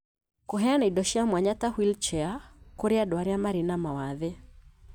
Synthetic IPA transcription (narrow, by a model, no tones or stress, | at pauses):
koɦɛanaidɔʃamwaɲatahwilt͡ʃɛakoɾeadɔaɾjamaɾinamawaðɛ